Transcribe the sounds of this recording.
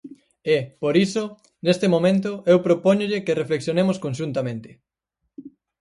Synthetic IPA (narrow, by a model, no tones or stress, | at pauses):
epoɾiso | nest̪ɪmõmẽnt̪ʊewpɾopoɲoʎɪkerefleksjonemoskõnʃ̬unt̪amẽnt̪ɪ̥